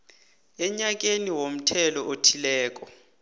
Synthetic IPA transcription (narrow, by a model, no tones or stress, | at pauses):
ɛɲak̬ʼeniwom̩tʰɛlɔʔotʰilɛːk̬ʼɔ